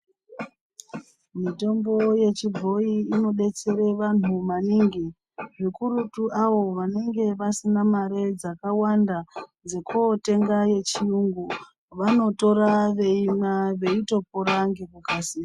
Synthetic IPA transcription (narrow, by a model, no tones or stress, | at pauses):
mito̞mbo̞je̞t͡ʃib͡vʱo̞iːno̞ɗe̞t͡se̞ɾeʋan̤umaniŋɡi | ʐikuɾutuʔaʋo̞ʋane̞ŋɡe̞ʋasinamaɾe̞d͡zakawandad͡ze̞kote̞ŋɡaje̞t͡ʃijuŋɡu | ʋano̞to̞ɾaʋe̞imaʋe̞ito̞poɾaŋɡekukasiːa